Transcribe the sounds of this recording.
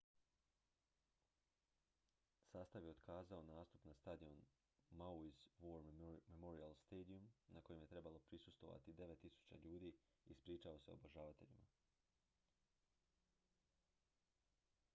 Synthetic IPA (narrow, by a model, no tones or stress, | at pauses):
saːst̪aʋje̞od̪kʰaːzao̞naːst̪upnast̪ad̪io̞n | mauizʋoɾmmemoɾialst̪eːd̪iumnakojemje̞t̪ɾe̞balo̞pɾisust̪vʋo̞̰ʋa̰t̪id̪e̞ʋet̪ːisu̥t͡ɕa̰ʎuːd̪iː | ispɾiːt͡ʃao̞se̞o̰boʒaːʋat̪e̞̰ʎima